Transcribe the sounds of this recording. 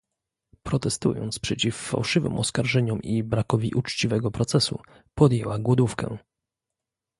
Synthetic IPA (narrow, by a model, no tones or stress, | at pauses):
pɾɔt̪ɛst̪ṵjɔ̰nt̪spʂɛt͡ɕifːa̰wʂɘvɘ̰mʔɔskaɾʐɛɲɔmʔibɾakɔvʲiʔut͡ʂt͡ɕivɛɡɔpɾɔt̪sɛsṵ | pɔd̪jewaɡwɔd̪ufkɛ̰